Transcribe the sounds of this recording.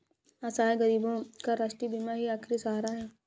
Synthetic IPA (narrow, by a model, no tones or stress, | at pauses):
asaːeɡɐɾiːbõkaɾaːʃʈɾibimaɦiaːkʰɾisaːɾaɦɛː